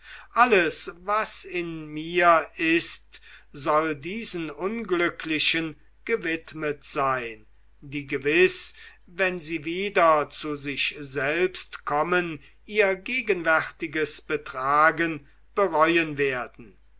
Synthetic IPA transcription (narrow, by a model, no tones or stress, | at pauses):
ʔaləsvasɪnmiːɐɪstzɔldiːzn̩ʊnɡlʏkʰlɪʃən | ɡ̥əvɪtmətz̥aɪn | diːɡəvɪs | vɛnziːviːdɐt͡suzɪʃzɛlpstkʰɔmən | iːɐɡeːɡənvɛʁtɪɡəsb̥ətʁ̥aːɡən | b̥əʁɔʏənveːɐdn̩